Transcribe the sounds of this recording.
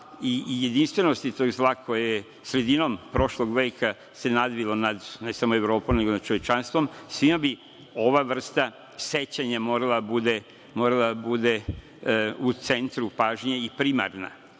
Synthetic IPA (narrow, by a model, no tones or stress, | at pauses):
ije̞d̪inst̪ʋe̞nost̪it̪o̞ɡzlˠakʰo̞jeje | sɾe̞d̪ino̞mpɾo̞ʃlˠo̞ɡʋeːkʰa | se̞nad̪ʋilo̞nad̪nesamoeʋɾo̞ːpomne̞ɡonad̪̚t͡ʃo̞ʋje̞t͡ʃanst̪ʋo̞msʋimabi | o̞ʋaʋr̩st̪a | se̞t͡ɕaɲamo̞ːɾalˠad̪abud̪e | mo̞ːɾalˠad̪abud̪e | ut̪se̞nt̪ɾupaʒɲeipɾima̰ɾna̰